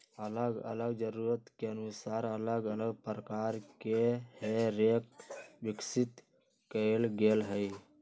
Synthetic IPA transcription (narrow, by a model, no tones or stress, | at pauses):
ələɡə̰ləɡd͡ʒəɾuɾət̪keənusaːɾələɡələɡpɾəkaɾkeheɾek̚bɪksit̪ | kəelɡelɦəj